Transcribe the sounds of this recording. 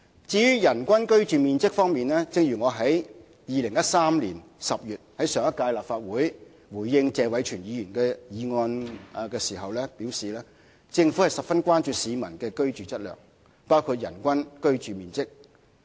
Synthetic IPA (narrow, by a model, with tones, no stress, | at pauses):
t͡siː˨˥jyː˥jɐ˨˩nkʷɐ˥nkɵ˥ɥt͡ʃyː˨miː˨nt͡sɪ˥k̚fɔː˥ŋmiː˨nlɛː˥t͡sɪ˧ŋjyː˨˩ŋɔː˨˧ɦɐ˨˥j | jiː˨lɪ˨˩ŋjɐ˥t̚saː˥mliː˨˩nsɐ˨p̚jyː˨t̚hɐ˨˥jsœː˨˩ŋɐ˥t̚kːaː˧jlaː˨p̚faː˧t̚wuː˨˥j | wuː˨˩jːɪ˧ŋt͡sɛː˨˧wɐ˨˥jt͡ʃʰyː˨˩njiː˨˧jyː˨˩nkɛː˧jiː˨˧ŋɔː˧n˨kɛː˧siː˨˩ɦɐ˨wlɛː˥piː˨˥wsiː˨lɛː˥ | t͡sɪ˧ŋfu˨˥hɐ˨jsɐ˨p̚fɐ˥nkʷaː˥nt͡ʃyː˨˧siː˨˧mɐ˨˩nkɛː˧kɵ˥ɥt͡ʃyː˨t͡sɐ˥t̚lœ̰ː˨˩ŋ | paː˥wkʰuː˧t̚jɐ̰˨˩nkʷɐ˥nkɵ˥ɥt͡ʃyː˨˩miː˨nt͡sɪ˥k̚